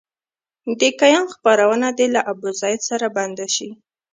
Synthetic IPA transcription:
d̪ekajɑnxpaɾawənad̪elaʔabuzɑjɪd̪saɾaband̪aʃi

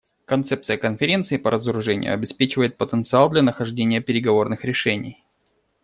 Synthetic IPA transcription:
kɐnt̪sɛp̚tsɨjəkənfʲɪɾʲe̞nt̪sɨɪpəɾʔəzəɾʊʐɛnʲɪ̰jʊ̰ɐbʲɪspʲet͡ɕɪvəjɪt̪̚pət̪ənt̪sɨalˠd̪lʲɐnəxɐʐdʲenʲɪjəpʲɪɾʲɪɡɐvo̞rnɨxɾʲɪʂɛnʲɪ̰j

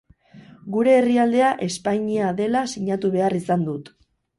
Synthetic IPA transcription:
ɡuɾe̞ːriald̪e̞aʔe̞spajɲiaðe̞lasiɲat̪uβe̞arisand̪ut̪

